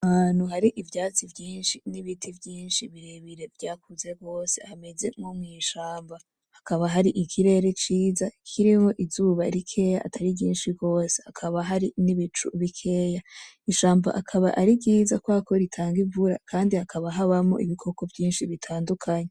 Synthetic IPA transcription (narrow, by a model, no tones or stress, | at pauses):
nuɦaɾiʔivjaːt͡sivjiːnʃiniβitʰivjiːnʃiβiɾeβiɾe̞vjaːk̚uze̞ɡo̞ːse̞hame̞ze̞momŋiːʃaːmba | hakaβaɦaɾiʔikʰiɾe̞ɾe̞t͡ʃiːzakʰiɾimo̞ʔizuːβaɾikʰe̞ja̰ːtʰaɾiɟiːnʃiɡo̞ːse̥hakʰaβaɦaɾiniβit͡ʃṵβikʰe̞ja | iʃaːmba̰ʔakʰaβaʔaɾiɡiːzakwako̞ɾitʰaːŋɡivuɾakʰaːndihakʰaβaɦaβamo̰ʔiβikʰo̞ko̞vjiːnʃiβitʰaːndukʰaɲe